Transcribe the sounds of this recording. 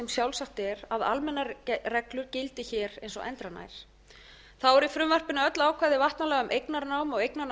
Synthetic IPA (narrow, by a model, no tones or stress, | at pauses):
ɛmsjawlsaht̪ɛɾaða̰lmɛnːarɛklʏɾcɪlt̪ɪçɛːɾejnsɔ̰ʔɛ̰nt̪ɾana̰ːjɾ̥ | θawɔɾifɾʏmvar̥pɪnʏœt̪laːwkʰvajðɪvaht̪nalɛːɣʏmʔejknaɾnawmɔɣejk̚na